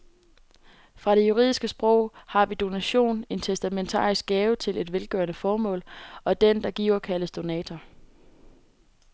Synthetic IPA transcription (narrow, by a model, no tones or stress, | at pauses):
fʁɑ̈ɾ̥e̝juʁḭðˠisɡ̥əsb̥ʁɔ̽ʊ̰hɑ̈ʋid̥o̝næɕo̝̰ːne̝nt͡sʰesd̥æment͡sʰɑ̰̈ːisɡ̥ɛːʊət͡sʰe̝le̝d̥ʋelɡ̥œɐnəfɒːmɔ̰̽ːlɒ̽d̥end̥ɑ̈ɡ̥ḭːʊɐkʰæləsd̥o̝nɛ̰ːt͡sʰɐ